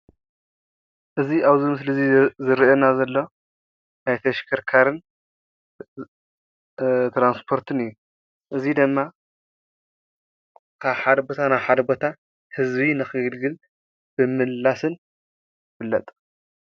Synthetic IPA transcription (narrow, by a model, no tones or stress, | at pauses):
ʔɨziʔaβzimɨs̬lɨzizɨɾonazɐlːo̞ | najt̪ʰɐʃkʰɐɾkʰaɾɨn | t̪ɾanspʰo̞ɾt̪ʰɨnɨjːu | ʔɨzid̪ɨmːa | kʰaβħad̪bot̪ʰanajħad̪bot̪ʰa | hɨzbinɨxɨɡɨlɡɨl | b̥ɨmɨlːasɨn | fɨlːɐt̪ʼ